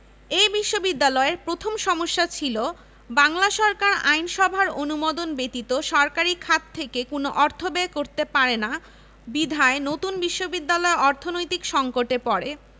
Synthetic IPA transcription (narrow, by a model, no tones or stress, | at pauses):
ebiʃːobid̪ːalɔeɾpɾot̪ʰomʃɔmoʃːat͡ɕʰilo | baŋlaʃɔɾkaɾa̰jnʃɔbʱaɾonumod̪onbet̪it̪oʃɔɾkaɾikʰat̪t̪ʰːekekonoʔɔɾt̪ʰobekoɾt̪epaɾena | bid̪ʱaenot̪unbiʃːobid̪ːalɔeɔɾt̪ʰonojt̪ikʃɔŋkoʈepɔɾe